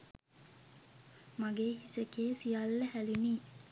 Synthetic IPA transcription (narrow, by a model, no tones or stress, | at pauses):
maɡeːɦisəkeːsijalːəhæluniː